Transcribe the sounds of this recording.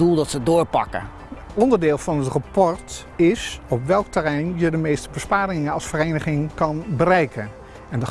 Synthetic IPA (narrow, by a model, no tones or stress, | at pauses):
ulˠdɑtsədʊːɹpɑ̰kə̰ | ɔndəɹdɪːlˠvɑnətrapɔɹt | ɪsɔpʋɛlˠktərɛjnjədəmejstəbəspaːɾɪŋənɑlˠsfərejnəχɪŋkɑnbərɛjkən | ɛndə